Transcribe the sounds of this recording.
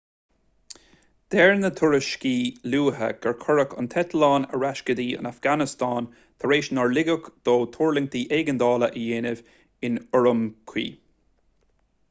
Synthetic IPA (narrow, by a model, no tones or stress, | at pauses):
d̪̥ɛɹnət̪ʰʊɹəʃkiːluːɦə̰ɡ̥ɛɹkʰɔɹəkə̰nt̪ʰɛt̪əlɑːnə̰ɹaʃkəd̪iːə̰nafɡ̥anɪst̪ɑːn | t̪ʰəɹeːʃnɔɹlɪɡəkd̪̥oːt̪ʰuːɹlɪŋt̪iːʔɛɡənd̪ɑːləʔəjeːnɪv | ɪnʊɹəmkʰwḭː